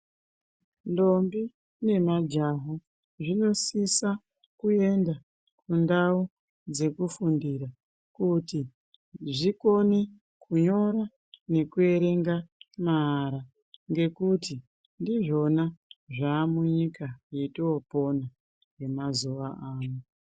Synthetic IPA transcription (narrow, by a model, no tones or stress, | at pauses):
ndo̞mbi | ne̞mad͡ʒaɦo | ʐino̞sisa | kue̞nda | kundau | d͡ze̞kufundiɾa | kuti | ʐiko̞ne | kʰuɲo̞ɾa | ne̞kue̞ɾe̞ŋɡamaɦːɾa | ŋɡe̞kuti | ndiʐo̞naʐaːmuɲikajetiopo̞na | je̞mazuʋaaːmo